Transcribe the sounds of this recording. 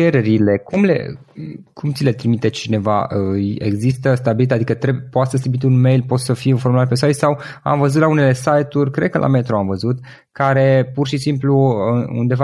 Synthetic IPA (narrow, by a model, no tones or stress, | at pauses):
t͡ʃe̞ɾe̞ɾile̞kumlḛ | kʰumt̪sile̞t̪ɾimit̪et͡ʃine̞va̰əḛɡzist̪əst̪abilit̪ad̪ikət̪ɾepoat̪səsibit̪ʲunme̞jlpo̞t̪səfijinfomulat̪̚pe̞sajt̪sawa̰mvəzut̪laune̞le̞sajt̪uɾʲkɾe̞d̪̚kəlʔa̰me̞t̪ɾoamvəzut̪ | kaɾe̞purʃisimpluṵnd̪e̞va